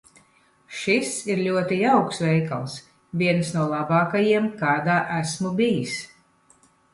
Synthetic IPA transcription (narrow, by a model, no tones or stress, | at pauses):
ʃisiɾlʲuɔt̪iawksvɛjkalˠs | vʲiɛnsnuɔlˠabaːkajiɛmkaːd̪aːʔæsmubʲijis